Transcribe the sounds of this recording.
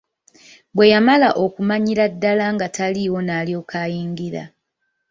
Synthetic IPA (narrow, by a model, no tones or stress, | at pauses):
bwe̞jamalaʔo̞kumaɲiɾadːalaŋɡatʰaliwo̞naːljo̞ːkʰaːjiːŋɡiɾa̰